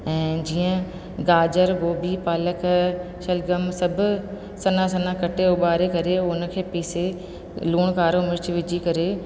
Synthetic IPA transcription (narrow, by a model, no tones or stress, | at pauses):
ɛ̃ːd͡ʑiːə̃ | ɡaːd͡ʒəɾɡoːbipaːlək | ʃɐlɡɐmsɐbʱ | sɐnãsɐnãkɐʈʰeʊɓaːɾekɐɾeʊnkʰeːpiːse | luːɽ̃kaːɾomɪɾt͡ʃʋɪd͡ʒʱikɐɾe